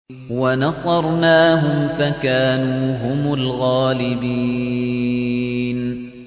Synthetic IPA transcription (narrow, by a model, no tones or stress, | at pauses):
wanɑsˤɑɾˤnaːɦʊmfakaːnuːɦʊmʊlɣaːlɪbiː | n